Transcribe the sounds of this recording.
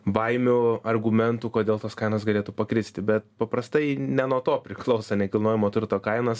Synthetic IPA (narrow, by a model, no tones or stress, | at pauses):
bɐɪmʲʊɐrɡʊmʲɛnt̪uːkoːd̪ʲeːlˠt̪ɐskɐɪnoːsɡɐlʲeːt̪uːpɐkɾʲɪsʲt̪ʲɪbʲɛt̪pɐpɾɐst̪ɐɪnʲɛnuɔt̪oːpʲɾʲɪklˠɐʊsɐnʲɛkʲɪlˠnoːjɪmoːt̪ʲʋʲɪɾt̪oːkɐɪnɐs